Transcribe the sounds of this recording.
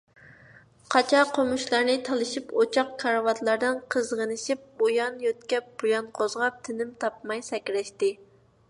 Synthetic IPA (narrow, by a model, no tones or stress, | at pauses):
qʰɑt͡ʃʰɑqʰomuʃlˠɑɾnɪt̪ʰɑlˠɨʃipot͡ʃʰɑqkʰɑɾɑwɑt̪lˠɑɾd̪ɨnqʰəzʁənɨʃip̚bojɑnjøt̪kʲɛp̚b̥ojɑnqʰozʁɑp̚t̪ʰɪnɪmt̪ʰɑp̚mɑjsɛkʲɾɛʃt̪ɪ